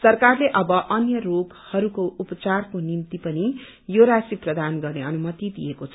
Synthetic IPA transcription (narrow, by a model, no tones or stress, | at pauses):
sʌrkarleʔʌbʌʔʌnjʌroɡ | hʌɾukoupʌt͡sarkonimt̪ipʌni | joɾasiprʌd̪anɡʌrneʌnumʌt̪id̪ḭjekot͡sʰʌ